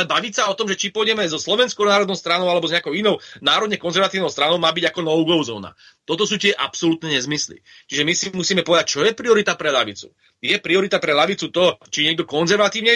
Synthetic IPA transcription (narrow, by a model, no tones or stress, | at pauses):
lɛbaʋiːcsaɔt̪ɔmʒɛt͡ʃipɔjɟɛmɛzɔslɔʋɛnskɔʊnaːɾɔd̪nɔʊst̪ɾanɔʊalɛbɔzɲɛakɔʊinɔʊnaːɾɔd̪ɲɛkɔnzɛɾʋat̪iːʊnɔʊst̪ɾanɔʊmaːbiɟakɔnɔʊɡɔʊzɔ̰ːna̰ | t̪ɔt̪ɔsuːt̪ɪɛʔapsɔlut̪nɛɲɛzmislḭ | t͡ʃiʒɛmisimusiːmɛpɔʋɛd̪ac̚t͡ʃɔjɛpɾiɔɾit̪apɾɛlaʋit͡sṵ | jɛpɾiɔɾit̪apɾɛlaʋit͡sut̪ɔt͡ʃiɲɛɡd̪ɔkɔnzɛɾʋat̪iːʊɲɛ